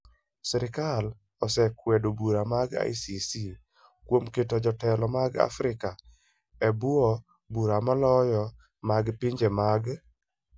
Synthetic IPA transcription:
sɛɾɪkal | ɔsɛkwedobuɾamaɡa̰jsisi | kwomketɔd͡ʒɔtɛlɔmaɡa̰fɾɪka | ɛbwɔ | buɾamalɔjɔ | maɡpɪɲd͡ʒemaɡ

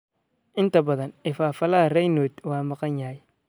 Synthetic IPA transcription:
ʔɪnt̪ɐbɐðɐnɪfaːfɐlaːɾɐjnoːt̪waːmɐqɐɲjaːj

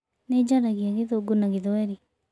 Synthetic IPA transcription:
ned͡ʒaɾaɣiaɣeðoɡonaɣeðwɛɾi

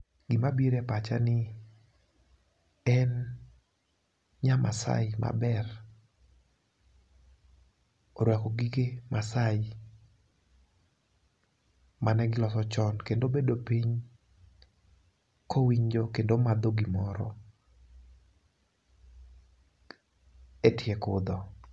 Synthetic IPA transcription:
ɡ̥ɪmabiɾɛpat͡ʃa̰nɪ | ɛn | ɲamʔa̰sa̰ɪmʔa̰bɛr | oɾwɛkɔɡiɡemʔasaɪ | manɛɡɪlɔsɔt͡ʃɔnkendobedopiɲ | kowiɲd͡ʒokendomad̪oɡimɔɾɔ̰ | etjekʊd̪ɔ

